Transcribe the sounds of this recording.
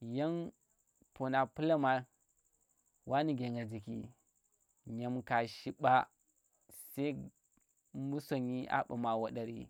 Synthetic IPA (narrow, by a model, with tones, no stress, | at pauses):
ja˦n | po˨na˨pu˦la˦ma˨ | wʔa˦ni˨ɡe˨ŋɡa˨d͡ʒi˨kḭ˨ | ɲa˨mka˨ʃi˦ɓa˦ | sa˦ | mu˦so˨ɲi˦ʔa̰˦ɓa˨ma˨wa˨ɗa˨ɾḭ˦